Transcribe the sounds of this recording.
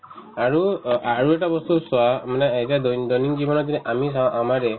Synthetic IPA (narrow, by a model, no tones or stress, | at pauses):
aɹuaɹueʈabɔst̪uswamaneːd͡ʒad̪d̪ɔjniŋd͡ʒibɔnɔd̪ineʔamisaw̃ʔamaɾe